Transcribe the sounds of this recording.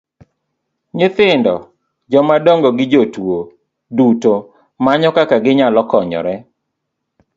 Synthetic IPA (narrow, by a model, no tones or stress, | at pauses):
ɲɪt̪ɪndɔ | d͡ʒɔmadɔŋɡɔɡɪd͡ʒotwo | duto | maɲɔkakaɡɪɲalɔkɔɲɔ̰ɾɛ